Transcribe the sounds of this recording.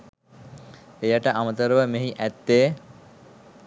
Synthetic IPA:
ejaʈəʔamət̪əɾəʋəmeɦiʔæt̪ːeː

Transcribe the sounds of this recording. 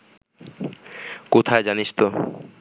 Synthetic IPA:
kot̪ʰaed͡ʑaniʃt̪o

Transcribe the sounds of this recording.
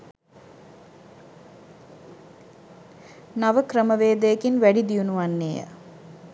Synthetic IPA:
naʋəkɾəməʋeːd̪əjəkinʋæɖid̪ijunuʋanːeːjə̰

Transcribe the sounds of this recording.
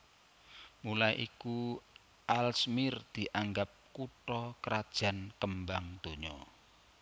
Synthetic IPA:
mulajʔiku | ʔalsmɪrd̪̥i̤ʔaŋɡap̚kuʈɔkəɾad̥ʒ̥a̤nkəmbaŋd̪̥o̤ɲɔ

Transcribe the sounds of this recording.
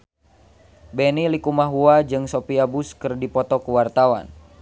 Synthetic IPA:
bɛnilikumaɦuad͡ʒɨŋsopiabuskɨrdipɔt̪ɔkuwart̪awa̰n

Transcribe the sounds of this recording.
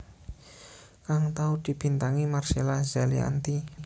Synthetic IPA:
kaŋt̪aud̪̥i̤b̥i̤nt̪aŋimarselazalḭa̰nt̪i

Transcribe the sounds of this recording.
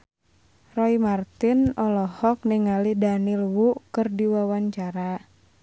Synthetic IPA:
rɔimart̪ɪnɔlɔhɔk̚niŋalidanilwuʔkərdiwawaɲt͡ʃaɾa

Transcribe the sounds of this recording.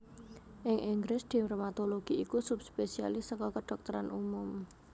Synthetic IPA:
ʔɪŋʔiŋɡɾɪsd̪̥i̤mɾomat̪oloɡ̥iikusupspesia̰lɪsəkɔkəɖ̥ɔk̚t̪əɾanʔumʊm

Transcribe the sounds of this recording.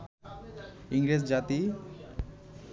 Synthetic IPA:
iŋɾed͡ʑd͡ʒat̪i

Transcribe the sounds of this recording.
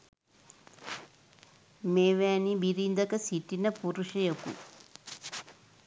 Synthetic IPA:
meːʋæːnibiɾind̪ɐkəsiʈːinəpuɾuʃɐjokṵ

